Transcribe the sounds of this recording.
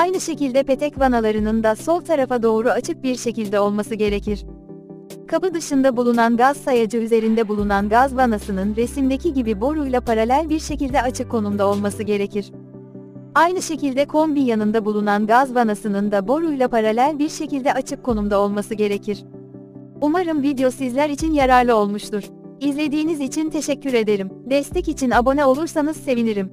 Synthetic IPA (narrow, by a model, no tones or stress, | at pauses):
ajnɯʃe̞cilʲd̪ɛpe̞t̪ʰɛcvanalˠaɾɯnɯnd̪aso̞lˠt̪ʰaɾafad̪o̞ːɾuat͡ʃʰɯk̚biɾʃe̞cilʲd̪ɛo̞lˠmasɯɟe̞ɾecʰiɾ̥ | kʰabɯd̪ɯʃɯnd̪abulˠunanɡaz̥sajad͡ʒɯyze̞ɾind̪ɛbulˠunanɡazvanasɯnɯnɾe̞simd̪e̞cʰiɟibibo̞ɾujlˠapʰaɾalʲælʲbiɾʃe̞cilʲd̪ɛat͡ʃʰɯkʰːo̞numd̪ao̞lˠmasɯɟe̞ɾe̞cʰiɾ̥ | ajnɯʃe̞cilʲd̪ɛkʰo̞mbijanɯnd̪abulˠunanɡazvanasɯnɯnd̪abo̞ɾujlˠapʰaɾalʲælʲbiɾʃe̞cilʲd̪ɛat͡ʃʰɯkʰːo̞numd̪ao̞lˠmasɯɟe̞ɾe̞cʰiɾ̥ | umaɾɯmvid̪eo̞sizlʲæɾit͡ʃʰinjaɾaɾlˠɯo̞lˠmuʃt̪uɾ̥ | izlʲe̞d̪iːnizit͡ʃʰint̪ʰe̞ʃɛcʰːyɾe̞d̪e̞ɾimd̪ɛst̪ʰɛcit͡ʃʰinabo̞nɛo̞lˠuɾsanɯz̥se̞viniɾim